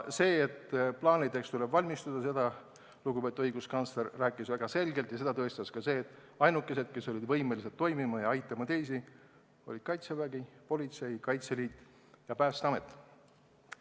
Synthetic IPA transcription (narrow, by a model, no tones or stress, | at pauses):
se̞ːet̪ːplɑːnid̪e̞kst̪ule̞bvɑlʲmist̪ud̪̥ɑse̞d̪̥ɑ | luɡupe̞t̪uɤjɡ̥uskɑnsleɾːæːkːˑisvæɡ̥ɑse̞lɡe̞lt̪jɑse̞d̪ɑt̪ɤ̞est̪ɑskɑse̞ːt̪ːˑ | ɑjnukˑːe̞s̬e̞d̪̥ke̞so̞lʲid̪vɤjmelis̬et̪ːo̞jmimɑjɑɑjt̪ːˑɑmɑt̪e̞jsi | o̞̰lʲid̪̥kɑjt̪sevæɡipo̞lʲit̪se̞jkɑjt̪se̞liːt̪ːˑ | jɑpæːst̪ɑme̞t̪ːˑ